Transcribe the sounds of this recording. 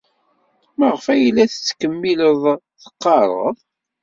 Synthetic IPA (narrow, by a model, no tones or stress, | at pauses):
məʁəfæjəlːæθət͡sːkəmːiləðˤ | θə̥qːɑɾˤə̰ðˤ